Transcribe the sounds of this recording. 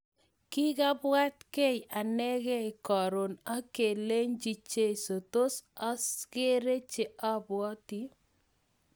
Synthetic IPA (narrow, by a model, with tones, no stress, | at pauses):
ki˦ka˦bwa˦tke˦ja˨nɛ˦kɛ˦i˨kɔ˨ɾo˨na˦ke˨le˦ɲd͡ʒi˨t͡ʃe˦˨so˨to˦sa˦ske˦ɾe˦t͡ʃe˨ʔa˦bwɔ˦ti˦